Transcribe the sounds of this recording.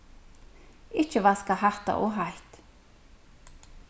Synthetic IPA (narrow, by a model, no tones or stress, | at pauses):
ɪt͡ʃəvaskaɦaht̪a̰ʔɔɦajt̪